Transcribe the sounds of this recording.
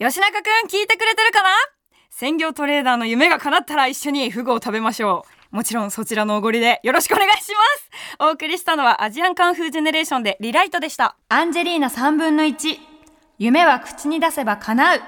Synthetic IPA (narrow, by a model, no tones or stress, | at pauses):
jo̞ɕinakakɯ̟̃ŋkʲiːt̪e̞kɯ̟ɾe̞t̪e̞ɾɯ̟kana | sẽ̞ŋɡʲo̞ːt̪o̞ɾe̞ːd̪aːno̞jɯ̟me̞ɡakanat̪ːaɾaiɕːo̞ɲ̟iɸɯ̟ɡɯ̟ːt̪abe̞maɕo̞ː | mo̞t͡ɕiɾõ̞ɰ̃so̞t͡ɕiɾano̞ːɡo̞ɾʲid̪e̞jo̞ɾo̞ɕi̥kɯone̞ɡaiɕimasɨ̥o̞ːkɯ̟ɾʲiɕi̥t̪ano̞βaʔaʑiãŋkãɰ̃ɸɯ̟ːʑe̞ne̞ɾe̞ːɕõ̞nd̪e̞ɾʲiɾait̪o̞d̪e̞ɕi̥t̪a̰ãɲ̟d͡ʑe̞ɾʲiːnasãmbɯ̟̃nːo̞it͡ɕi | jɯme̞βakɯ̟̥t͡ɕiɲ̟id̪ase̞bakʰanaɯ̟